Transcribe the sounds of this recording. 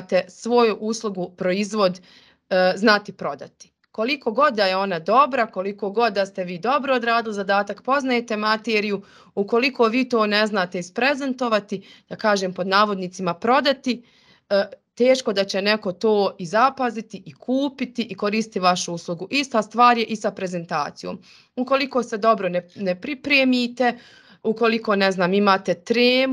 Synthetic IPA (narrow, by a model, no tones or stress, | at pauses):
t̪esʋo̞juʔuslˠuɡupɾo̞izʋo̞d̪ | znat̪ipɾo̞d̪a̰t̪i̥ | ko̞liko̞ɡo̞d̪̚d̪ajeo̞nad̪o̞bɾako̞liko̞ːɡo̞d̪̚d̪ːast̪eʋiːd̪o̞bɾood̪ɾaːd̪ilizad̪aːt̪akpo̞znajet̪e̞mat̪eːɾiju | uko̞liko̞ːʋiːt̪o̞ːne̞znaːt̪eispɾezent̪o̞ʋat̪id̪̥akaːʒeːmpo̞d̪naːʋo̞d̪niːt̪simapɾo̞d̪at̪i | t̪e̞ːʃko̞d̪at͡ɕeneko̞t̪o̞ːizapazit̪iikʰuːpit̪iʔiko̞ɾiːsit̪iʋaʃuuslˠuɡuʔist̪ast̪ʋaːɾje̞ʔisapɾe̞ze̞nt̪a̰ːt̪sijo̰ːm | uko̞liko̞ːsed̪o̞bɾonenepɾipɾemit̪e | uko̞liko̞ːneznaːmimaːt̪et̪ɾeːm